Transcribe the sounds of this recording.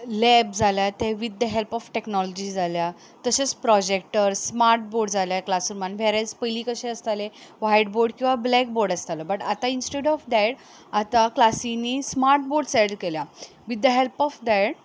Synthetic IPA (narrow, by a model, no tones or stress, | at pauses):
lɛb̚d͡zʱaljat̪ẽʋid̪ːəɦelpɔfʈeknɔlɔd͡ʑid͡zalja | t̪əɕet͡spɾɔd͡ʑek̚ʈəɾsmaɾʈ̚boɾɖd͡zʱaljaklasuɾmanʋɛɾat͡spəjliːkəɕẽəst̪aleʋajɖboɾɖkĩw̃ʋablɛk̚boɾɖəst̪alɔbəʈat̪ainsʈeɽɔfd̪ɛɽ | at̪aklasinːismaɾʈ̚boɾɖseɽlkelja | ʋid̪ːəɦelpɔfd̪ɛɽ